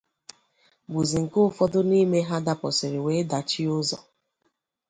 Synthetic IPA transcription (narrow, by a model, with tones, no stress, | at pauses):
bu˨zi˨ŋ̩˨kʊ˦fɔ˦dʊ˦ni˦me˦ɦa˦da˦˨pɔ˨sɪ˨ɾɪ˨we˨˦da˨t͡ʃi˦ʊ˦zɔ̰˨